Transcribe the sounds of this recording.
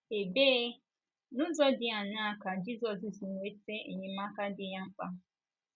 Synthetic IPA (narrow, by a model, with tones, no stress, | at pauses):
e˨beː˦ | nʊ̃˦zɔ˦dɪ˦a˨nã˦˨ka˨d͡ʒi˦sɔ˨si˨si˨nũ˨e˦te˦ḛ˨ɲĩ˨mã˦ka˦dɪ˦ɲã˦ŋ͡m̩˦k͡pa˦